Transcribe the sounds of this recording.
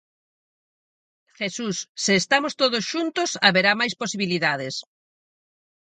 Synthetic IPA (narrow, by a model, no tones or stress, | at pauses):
xesusːɪːst̪amost̪oðʊsʃunt̪osaβeɾamajsposiβ̞iliðað̞ɪs